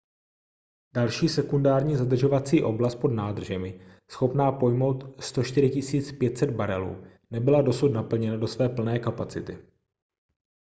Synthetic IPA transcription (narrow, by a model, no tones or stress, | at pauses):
d̥alʃiːsɛkundaːɾɲiːzad̪r̩ʒo̞vat͡siːʔo̞blast̪po̞dnaːd̪r̩ʒɛmɪ | sxo̞pnaːpo̞jmo̞wt̪st̪o̞ʃt̪ɪɾɪcɪsiːt͡spjɛt̪sɛd̪̚baɾɛlṵː | nɛbɪlado̞sut̪napl̩ɲɛnado̞svɛːpl̩nɛːkapat͡sɪt̪ɪ